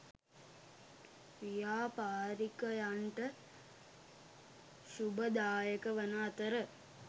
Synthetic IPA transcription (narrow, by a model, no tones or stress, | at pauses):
ʋijaːpaːɾikɐjaɳʈɐ | ʃubɐd̪aːjɐkɐʋɐnaːt̪ɐɾə